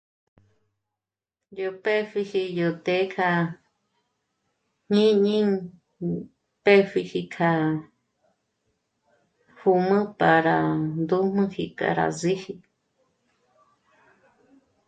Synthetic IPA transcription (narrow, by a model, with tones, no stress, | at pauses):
jo˧pe˦fi˧hi˧jo˧˨t̪e˧˦kʰa˧ | ɲĩ˦ɲĩ˦ŋ | pe˦fi˧hi˧kʰa˧ | hu˧˨mɨ̃˦pa˨ɾa˨nd̪u˦m̥ɨ̃˦hi˧ka̰˨ɾa̰˨zi˦hi˧